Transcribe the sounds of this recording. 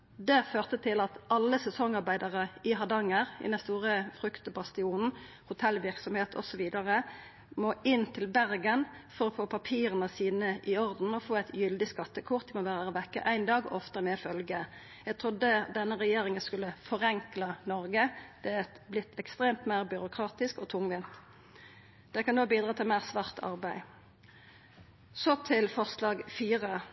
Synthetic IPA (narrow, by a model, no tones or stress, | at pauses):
d̪ɛføːʁt̪ət̪ʰɪlɑt̪ɑlːəsɛsɔŋɑʁbæɪd̪ɑʁəɪɦɑd̪ɑŋːəʁɪ̰d̪ɛnst̪uːʁəfʁʉkt̪bɑst̪ɪuːnn̩ | hʊt̪ʰɛlʋɪʁksɔmheːt̪ʰɔ̰sɔʋiːd̪ɑʁə | moːɪnt̪ʰɪlbæʁɡənfɔʁɔfoːpʰɑpʰiːɾənəsiːnəʔɪɔʁd̪n̩ɔfoːæɪt̪ʰjʏld̪ɪskɑt̪ːəkʰʊʁt̪̚d̪ɪmɔʋæːʁəʋɛkːə̰ʔæɪnd̪ɑːɡɔ̰ʔɔft̪əmɛfœlɡə | jæɡt̪ʰʁʊd̪ːəd̪ɛnːəʁɛjeːʁɪŋənskʉlːəfɔʁɛŋklɑnɔʁɡəd̪̥ɛɛ | blɪt̪ʰːɛkst̪ʁeːmt̪mæɪʁbʏʁʊkʰʁɑːt̪ɪskɔt̪ʰʊŋʋɪnt̪ | d̪̥ɛkɑnoːbiːd̪ɾɑːt̪ʰɪlmæɪʁsʋæʁt̪ʰɑ̰ʁbæɪ | sɔt̪ʰɪlfɔʁslɑːɡfiːʁə